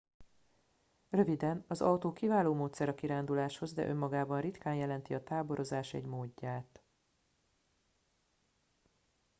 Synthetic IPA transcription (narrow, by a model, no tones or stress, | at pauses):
rø̞vid̪ɛnɒzɒwt̪oːkivaːloːmoːt̪sɛɾɒkiɾaːnd̪ulaːʃho̞zd̪ɛ̰ʔø̞mːɒɡaːbɒnrit̪kaːnjɛlɛnt̪iɒt̪aːbo̞ɾo̞zaːʃɛ̰ɟmoːɟːaːt̪